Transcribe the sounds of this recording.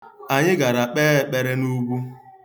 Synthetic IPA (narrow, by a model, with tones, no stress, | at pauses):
a˨ɲɪ˦ɡa˨ɾa˨k͡peː˦e˦k͡pe˦ɾe˦nu˦ɡʷu˦